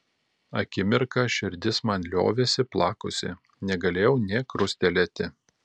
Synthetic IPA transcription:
ɐ̰kʲɪmʲɪɾkɑʃʲɪɾʲd̪ʲɪsmɐnʲlʲo̰ːʋʲesʲɪplˠɑːkʊsʲɪ̰ | nʲɛɡɐlʲeːjɛʊnʲɛːkɾʊsʲt̪ʲɛlʲɛt̪ʲɪ

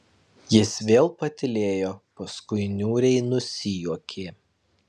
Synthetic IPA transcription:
jɪsʋʲeːlˠpɐt̪ʲɪlʲeːjoːpɐskʊɪnʲuːɾʲɛɪnʊsʲijuɔkʲʰeː

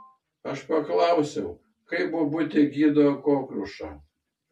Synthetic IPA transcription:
ɐʃpɐklˠɐʊsʲɛʊ | kɐɪbʊbʊt̪ʲɪɡʲiːd̪okoːkɾʊʃɐ

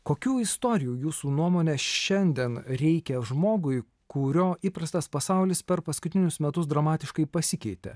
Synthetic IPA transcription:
koːkʲuːɪst̪oːɾʲɪjuːjuːsuːnuɔmoːnʲɛʃʲɛnʲd̪ʲiɛnɾʲɛɪkʲɛʒmoːɡʊɪ | kʊɾʲoːiːpɾɐst̪ɐspɐsɑˑʊlʲɪspʲɛɾpɐskʊt̪ʲɪnʲʊsmʲɛt̪ʊsd̪ɾɐmɑːt̪ʲɪʃkɐɪpɐsʲɪkʲɛɪt̪ʲɛ̰

